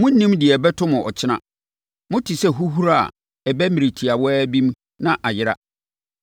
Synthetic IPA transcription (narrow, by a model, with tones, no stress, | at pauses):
mʊ̃˦n̩˦nĩ˦mdɪ˨ɛ˨bɛ˦tʰʊ˦mʊ̃˨ʔɔ˨t͡ɕʰɪ˦nã̰˦ | mʊ̃˦tʰi˨sɛ˦ɦu˦ɦu˦ɾa˦a̰˨ | ɛ˨bɛ˦mĩ˨ɾi˨tʰi˨a˨wɔ˦ɛ˦bi˦m | nã˦ʔa˨jɪ˦ɾa̰˦